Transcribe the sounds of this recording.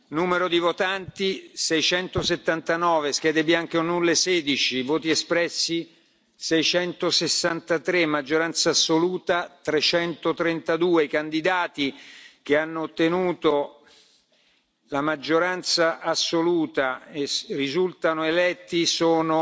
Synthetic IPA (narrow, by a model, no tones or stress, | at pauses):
nuːmeɾod̪ivot̪ant̪isɛjt͡ʃɛnt̪oset̪ːant̪anɔːveskɛːd̪ebiaŋk̟eonːulːeseːd̪it͡ʃivoːt̪iɛspɾɛsːi | sɛjt͡ʃɛnt̪osesːant̪at̪ɾemːad͡ʒːoɾant̪saːsːoluːt̪at̪ɾet͡ʃɛnt̪ot̪ɾent̪ad̪uːeikand̪id̪aːt̪ik̟eanːoːt̪ːenuːt̪o | lamad͡ʒːoɾant̪saʔasːoluːt̪aerizult̪anoelɛt̪ːisoːno